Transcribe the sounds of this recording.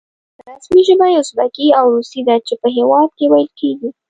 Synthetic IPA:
ɾasmiʒəmajʊsbakiawɾust̪id̪at͡ʃepəɦewɑd̪̚kewajəlkeɡi

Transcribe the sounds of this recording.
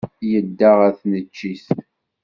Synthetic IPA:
jəd̪ːaʁæθnət͡ʃːiθ

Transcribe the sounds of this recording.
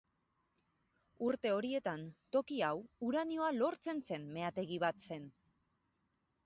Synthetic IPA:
uɾt̪e̞o̞ɾie̞t̪ant̪o̞kiawuɾanio̞alo̞ɾt͡se̞nse̞nme̞at̪e̞ɣiβat̪se̞n

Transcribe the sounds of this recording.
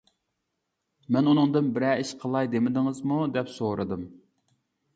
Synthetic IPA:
mɛnunɨŋd̪ɨnbɪɾɛiʃqʰəlˠɑjd̪emɪd̪ɪŋɨzmud̪ɛpsoɾʔɨd̪ɨm

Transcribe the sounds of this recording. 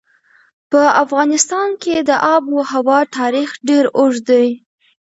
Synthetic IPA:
pəafɣɑnɪst̪ɑnked̪əʔɑbwəhawɑt̪ʰɑɾixɖeɾʊʒd̪aj

